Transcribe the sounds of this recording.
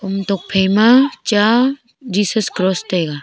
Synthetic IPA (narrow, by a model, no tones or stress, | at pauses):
ʊmt̪ok̚pʰejmat͡ʃa | d͡ʒiːsəskɾoːst̪eːɡa